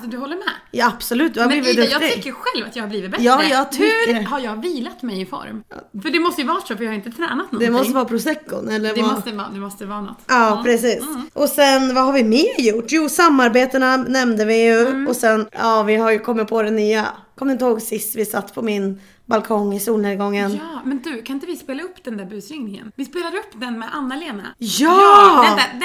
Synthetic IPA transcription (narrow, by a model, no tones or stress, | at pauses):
sɔd̪ɵhɔlːəɾmɛ̰jɑːab̥sɔlʉ̟ːt̪d̪ɵhaɾb̪iːvɪœɑɾɪkːəɧɛlvat̪jɑɡhaɾbliːvɪt̪̚bɛjɑːjɑːɡt̪ʰʏhaɾjɑːɡviːlat̪mɛjɪfɔ̰ɾmfœɖɛmɔst̪əjəvɑːtʂofœɾjɑːhɾɪnt̪ət̪ʰɾɛːnat̪nɔd̪ɛmɔst̪əvɑːpʰɾʊsɛkːʊ̰nɛlːəɾd̪at̪ɑ̰d̪ɛmɔst̪əvɑːnɔ̰t̪ːɑːpʰɾɛsiːsʔɔsɛnvahaɾvɪmeːɾjʊʈːjuːsamːaɾbeːt̪ənanɛmnd̪əvɪjɵɔsɛnɑːvɪhaɾjɵkʰɔmːɪt̪̚pʰɔd̪ɛnːyːakʰɔmd̪ɪnt̪əhoːɡsɪst̪vɪsat̪ːpʰɔmɪn | balkʰɔŋːɪsuːlnɛːlɡɔŋːənːmɛnd̪ʉkʰanɪnt̪əvɪspeːlaɵpːd̪̥ɛnæːɾbʉ̟ːsɾɪŋnɪŋə̰nvɪspeːlad̪əɵpːd̪ɛnmɛʔanːaɛleːna̰jɑː